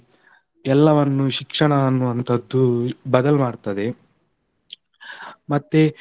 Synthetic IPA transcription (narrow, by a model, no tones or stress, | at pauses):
ɛlːɐʋɐnːuʃikʂɐɳɐɐnːuʋɐnt̪ʰɐd̪ːubɐd̪ɐlmaːɽt̪ɐd̪e̞ | mɐt̪ːe